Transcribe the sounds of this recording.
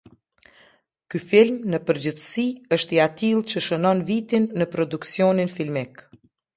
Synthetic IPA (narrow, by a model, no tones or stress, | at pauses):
kyfilmnəpəɾd͡ʑəθsiəʃt̪iat̪ilˠt͡ɕəʃənɔnvit̪inːəpɾɔd̪uksiɔninfilmik